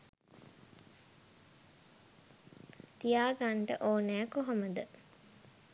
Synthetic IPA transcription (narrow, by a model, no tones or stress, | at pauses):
t̪ijaːɡaɳʈəʔoːnæːkoɦoməd̪ə